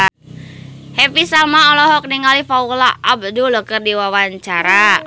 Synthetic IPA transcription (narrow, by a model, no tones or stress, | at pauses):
hɛpisalmaɔlɔɦɔk̚niŋalifaula̰ab̚dulɔkərdiwawaɲt͡ʃaɾa